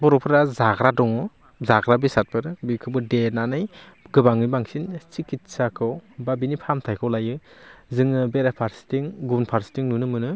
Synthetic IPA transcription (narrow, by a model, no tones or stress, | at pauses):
bɔɾɔpʰɯɾazaɡɾadɔŋɯ | zaɡɾabisat̚pʰɯɾbikʰɯbɯdenanɯj | ɡɯbaŋɯjbaŋsint͡ʃikit̚sakʰɯwbabinipʰamtʰajkʰɔwlajɯzɯŋɯbeɾapʰaɾstiŋɡunpʰaɾsi̥tiŋnunɯmɯnɯ